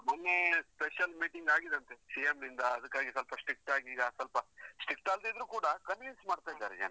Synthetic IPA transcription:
mɐnːespeʃɐlmiːʈiŋɡaːɡid̪ɐnt̪esijemnind̪ɐːd̪ɐkːaːɡisɐlpɐsʈɾik̚ʈaːɡiːɡɐsɐlpɐsʈikʈaːld̪id̪ɾuːkuːɽɐkɐnʋinsmaːɖt̪aːjid̪aːɾed͡ʒɐ̰n

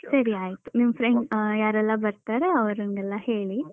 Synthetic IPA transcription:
sɐɾiaːjit̪u̥nimɐfʰɾeɳɖjaːɾɛlːɐbɐɾt̪aːɾeɐʋɐɾɐnɡɛlːɐhe̞ːɭi

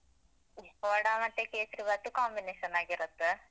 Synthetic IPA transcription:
oːɽaːmɐnt̪ːekeːsɾibaːʈ̪ːukaːmbineːʂɐnaːɡiɾɐt̪ːɨ

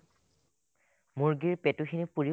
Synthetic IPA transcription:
muɹɡiɹpetʊxʰinipuɹi

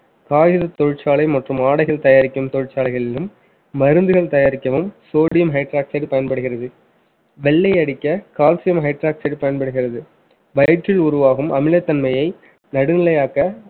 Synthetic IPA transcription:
kaːjɪðɐt̪ːɔɻɪʈt͡ʃːaːɭɐɪmɐʈrɯmaːɽɐɪɣɐɭt̪ɐjaːɾɪkʲːɯmt̪ɔɻɪʈt͡ʃaːlɐɪɣɐɭɪlɯmː | ɐɾɯnd̪ɯɣɐɭt̪ɐjaːɾɪkːɐʋɯmsoːɽɪjɐmɦɐɪʈɾaːksɐɖpɐjɐnpɐɽɯɣɪrɐðɯ | ʋɛɭːɐɪɐɽɪkːɐkaːlsɪjɐmɦɐɪʈɾaːksɐɖpɐjɐnpɐɽɯɣɪrɐðɯ | ʋɐjɐʈːɪlʊɾʊʋaːɣɯmʔɐmɪlɐt̪ːɐnmɐjɐɪ | nɐɽɯnɪlɐjaːkɐ

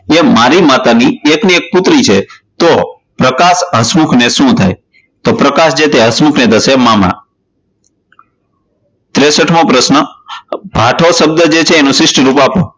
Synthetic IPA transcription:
emaɾimat̪aniekniek̚pʊt̪ɾit͡ʃʰet̪o | pɾəkasɦəsmukʰneʃũt̪ʰa̰j | t̪opɾəkasd͡ʒet̪eɦəsmukʰnet̪ʰəsemamã̰ | t̪ɾesəʈʰmõpɾəsnəbʱaʈʰosəb̚d̪əd͡ʒet͡ʃʰeːnũsɪsʈiɾupapo̰

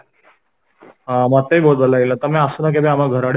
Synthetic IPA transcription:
ɦãmat̪eibold̪əlːailat̪amĩəsənak̬ebẽamaɡʱəɾaɽ

